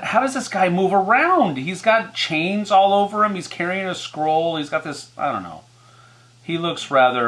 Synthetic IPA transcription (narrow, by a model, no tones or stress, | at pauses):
haʊɾʌzðɪsɡ̥aɪmuvə˞ãʊ̃nd̥̚hizɡɑt̚t͡ʃʰẽɪ̃nzɔlˠoʊvə˞ɨ̃miz̥kʰɛɹiɪ̃ŋɨskɹoʊlˠizɡɑt̪̚ðɪsaɪdɾõʊ̃nːo̰ʊ | hilʊksɹæðə˞